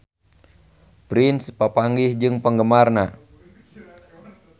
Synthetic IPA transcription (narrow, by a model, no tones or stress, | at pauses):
pɾinspapaŋɡihd͡ʒɨŋpəŋɡəmarna